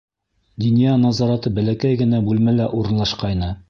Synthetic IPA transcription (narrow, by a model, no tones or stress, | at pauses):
d̪ɵnjɑnɑzɑɾɑt̪ɤbælækæjɡɘ̆næbʉlmælæʔuɾɤ̆nlˠɑʃqɑjnɤ